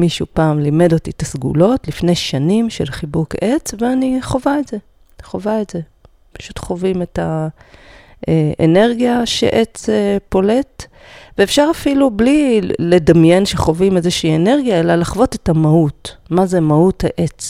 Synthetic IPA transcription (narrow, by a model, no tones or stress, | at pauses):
miʃṵpaːmlime̞dotitasɡṵlo̞tlifne̞jʃanimʃe̞̰lχibuket͡sveaniχo̞vaetze̞ | χo̞vaetze̞ | pḁʃutχo̞vime̞ta | eʔḛne̞ʁɡijaʃḛʔet͡sepo̞le̞t | veːfʃaʁafilublile̞damje̞nʃeχo̞vimezeʃiːene̞ʁɡijae̞lalaχvo̞tetamahutmaze̞mautaʔe̞t͡s